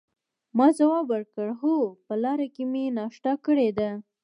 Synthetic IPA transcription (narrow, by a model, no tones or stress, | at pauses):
mɑzawɑbəɾkəɽɦopəlɑɾakemenɑʃʈɑkəɽed̪a